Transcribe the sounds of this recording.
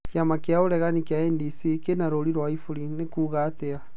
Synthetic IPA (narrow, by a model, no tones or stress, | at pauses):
kjamakeaoɾɛɣanikeaɛndisikenaɾoɾiɾwaifuɾinekuːɣatea